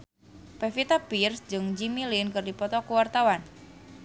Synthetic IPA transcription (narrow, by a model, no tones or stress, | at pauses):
pɛfit̪apirsd͡ʒɨŋd͡ʒimilinkɨrdipɔt̪ɔkuwart̪awan